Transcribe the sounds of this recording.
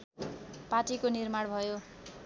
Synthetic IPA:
paʈikonirmaɽbʱʌjo

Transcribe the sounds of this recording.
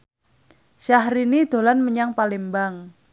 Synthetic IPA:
ʃaɦɾinid̪̥o̤lanməɲaŋpalembaŋ

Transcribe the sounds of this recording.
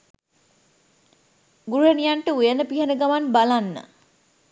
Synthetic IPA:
ɡuɾuɦənijaɳʈəujənəpiɦənəɡaʋanbalanːə̰

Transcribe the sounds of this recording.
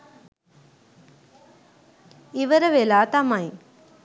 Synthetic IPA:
iʋɐɾɐʋelaːt̪ɐmɐj

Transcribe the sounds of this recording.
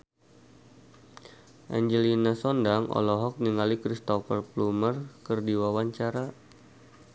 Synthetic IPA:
ʔa̰ɲd͡ʒəlinasɔndaŋʔɔ̰lɔɦɔk̚niŋalikɾist̪ɔfərplumərkərdiwawaɲt͡ʃaɾa

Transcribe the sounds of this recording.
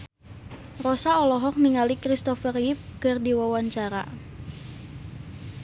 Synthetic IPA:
rɔsaɔlɔɦɔk̚niŋalikɾist̪ɔfərjɪp̚kɨrdiwawaɲt͡ʃaɾa̰

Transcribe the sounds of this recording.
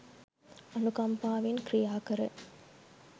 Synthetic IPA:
ɐnukɐmpaːʋɪnkɾɪjaːkɐɾɯ

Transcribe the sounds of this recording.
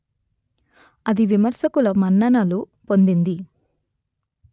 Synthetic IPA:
ɐd̪iʋimɐɾsɐkulɐmɐnːɐnɐlu | po̞nd̪ind̪i

